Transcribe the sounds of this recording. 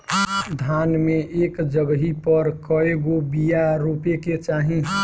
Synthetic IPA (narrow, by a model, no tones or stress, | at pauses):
d̪ʱaːnmẽʔeːkd͡ʒəɡɦipəɾkəeɡobijaɾupeket͡ʃaːɦĩ